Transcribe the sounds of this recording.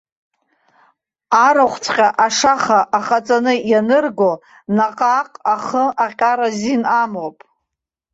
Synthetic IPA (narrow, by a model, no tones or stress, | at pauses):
aɾaχʷʰt͡sʰqʲʼaʔaʂaχaʔaχat͡sʼanɨjanɨrɡo | naqʼaqʼaχəʔaqʲʼaɾazinamopʼ